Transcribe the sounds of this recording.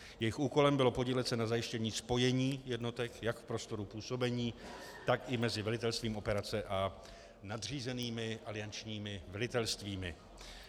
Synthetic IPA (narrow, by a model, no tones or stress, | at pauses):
jɛjɪxuːko̞lɛmbɪlo̞po̞ɟiːlɛt̪t͡sɛnazajɪʃcɛɲiːspo̞jɛɲiːjɛdno̞t̪ɛkjakfpɾo̞st̪o̞ɾupuːso̞bɛɲiː | t̪akɪmɛzɪvɛlɪt̪ɛlst̪viːmʔo̞pɛɾat͡sɛʔa | nadr̝iːzɛniːmɪʔalɪant͡ʃɲiːmɪvɛlɪt̪ɛlst̪viːmɪ̰